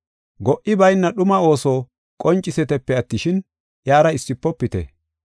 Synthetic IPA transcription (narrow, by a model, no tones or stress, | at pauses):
ɡɔʔɪbɐjnːɐɗʊmɐo̞ːsoː | kʼɔnt͡ʃʼːɪsɛt̪ɛpːɛɐt̪ːɪʃɪn | jaːɾɐɪsːɪpːɔpːɪt̪ɛ̰